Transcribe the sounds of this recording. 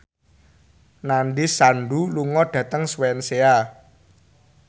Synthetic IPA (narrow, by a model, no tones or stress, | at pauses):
nanɖisanɖuluŋɔɖ̥ä̤t̪əŋswɛnsea